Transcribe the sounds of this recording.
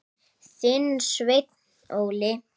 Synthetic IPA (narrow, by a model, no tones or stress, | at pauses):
sɪnsvejt̪n | owlɪ